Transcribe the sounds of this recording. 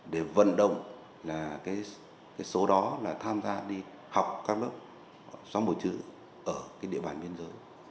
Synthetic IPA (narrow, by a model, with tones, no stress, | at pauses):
ɗe˧˩və̰˧˨nɗə̰˧˨wŋ͡m | laː˨˩kaː˨˦j | kaː˨˦jso˨˦ɗɔ˨˦laː˨˩t̪ʰaː˧mzaː˧ɗi˧ | ha˨˩wk͡p̚kaː˦˥k̚lɨ˦˥p̚ | swaː˧˦ŋ͡mɓo˨˩t͡ɕɨ̰˧˥ | ʔəː˧˩kaː˨˦jɗḭ˧əɓaː˨˩nɓi˧ənzəː˨˦j